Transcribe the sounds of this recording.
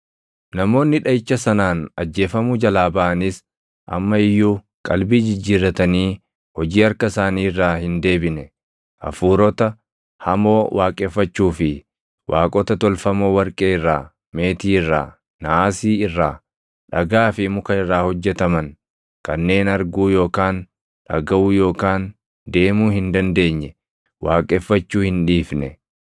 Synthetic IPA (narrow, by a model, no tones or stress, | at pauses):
nɐmo̞ːnːɪᶑɐjɪt͡ʃːɐsɐnaːnɐd͡ʒːe̞ːfɐmud͡ʒɐlaːbɐʔɐnɪs | ʔɐ̰mːɐɪjːuː | kʼɐlbiːd͡ʒɪd͡ʒːiːɾɐt̪ɐniː | hɔd͡ʒiːɐɾkɐsaːniːɪrːaːhɪnd̪e̞ːbɪnɛ | ʔɐ̰fuːɾɔt̪ɐ | hɐmo̞ːwʔaːkʼeːfːɐt͡ʃːuːfɪ | wʔaːkʼɔt̪ɐt̪ɔlfɐmoːwɐɾkʼeːɪrːaː | me̞ːt̪iːɪrːa̰ː | nɐaːsiːɪrːaː | ᶑɐɡaːfɪmʊkɐɪrːaːhɔd͡ʒːɛt̪ɐmɐŋ | kɐnːe̞ːnɐɾɡuːjo̞ːkaːn | ᶑɐɡɐʔuːjo̞ːkaːn | d̪e̞ːmuːhɪnd̪ɐnd̪e̞ːɲːɛ | wʔaːkʼɛfːɐt͡ʃːuːhɪnᶑiːfnɛ